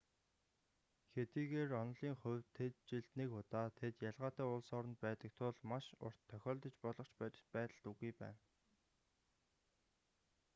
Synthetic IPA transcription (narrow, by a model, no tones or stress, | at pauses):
xet̪iːɣeːrɔnɮiːŋχʊ̟wʲt̪ʰːet̪̚t͡ɕiɮt̪nikʊt̪aːt̪ʰet̪jaɮʁaːt̪ʰæːʊɮsɔːɾə̆nt̪̚pæːt̪ə̆k̚t̪ʰʊɮmaʃʊ̰r̥t̪ʰːœxʲɔːɮt̪ə̆t͡ɕpɔɮɞ̆χt͡ɕppæːt̪ə̆ɮt̪uɣujpæ̰ːn